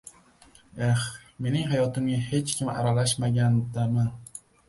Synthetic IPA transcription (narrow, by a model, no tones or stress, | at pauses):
exme̞nɪŋɦajɒt̪ɪmnahe̞t͡ʃkʲʰɪma̰ɾalaʃmaɡʲand̪aman